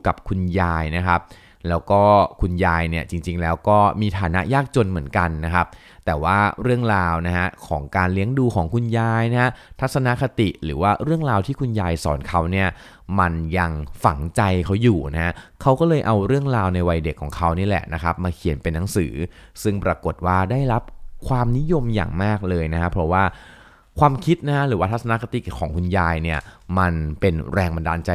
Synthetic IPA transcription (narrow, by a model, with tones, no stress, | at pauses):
ka˨˩p̚kʰu˧njaː˧jna˦˥kʰa˦˥p̚ | lɛː˦˥wkɔː˥˩kʰu˧njaː˧jni˥˩ɐt͡ɕi˧ŋt͡ɕi˧ŋlɛː˦˥wkɔː˥˩miː˧t̪ʰaː˨˦na̰˦˥ʔjaː˥˩k̚t͡ɕo˧nmɯ˩˦ənka˧nːa˦˥kʰa˦˥p̚ | t̪ɛː˨˩waː˥˩ɾɯ˥˩əŋɾaː˧wna˦˥ɦa˦˥kʰɔː˩˦ŋkaː˧nli˦˥ŋduː˧kʰɔː˩˦ŋkʰu˧njaː˧jna˦˥ha˦˥t̪ʰa˦˥t̪̚sa˧na˦˥kʰa˧t̪i˨˩ʔɾɯ̰ː˩˦waː˥˩ɾɯ˥˩əŋɾaː˧wt̪ʰiː˥˩kʰu˧njaː˧jsɔ̰ː˩˦nkʰa˦˥wni˥˩ɐ | ma˧nja˧ŋfa̰˩˦ŋt͡ɕa˧jkʰa˦˥wjuː˨˩na˦˥ha˦˥kʰa˦˥wkɔː˥˩lɤː˧jʔa˧wɾɯ˥˩əŋɾaː˧wna˧jwa˧jde˨˩kʰːɔː˩˦ŋkʰa˦˥wniː˦˥˩lɛ̰˨˩ʔna˦˥kʰa˦˥p̚maː˧kʰi˨˩˦npe˧nːa˨˩˦ŋsɯ̰ː˩˦ | sɯ˥˩ŋpɾaː˧ko˨˩t̪̚waː˥˩daː˥˩jɾa˦˥p̚kʰwaː˧mni˦˥jo˧mja̰ː˨˩ŋmaː˥˩k̚lɤː˧jna˦˥kʰa˦˥pʰɾɔ˦˥waː˥˩ | kʰwaː˧mkʰi˦˥t̪̚na˦˥kʰa˦˥ɾɯː˩˦wa˥˩t̪ʰt̪̚sa˧na˦˥kʰa˧t̪i˨˩kʰɔː˩˦ŋkʰu˧njaː˧jni˥˩ɐ | ma˧npe˧nɾɛː˧ŋba˧ndaː˧nt͡ɕa˧